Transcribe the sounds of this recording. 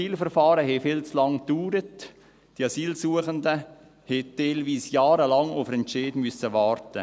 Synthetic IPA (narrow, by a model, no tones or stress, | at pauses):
iːlfərfɑːɾəɦɛfɪlt͡slɑŋd̥yːɾət | d̥iɑsiːlsuːəχəndə | hɛtɛɪlʋiːsjɑːɾəlɑŋʊfɾɛnt͡ʃeːdmysəʋɑːɾtə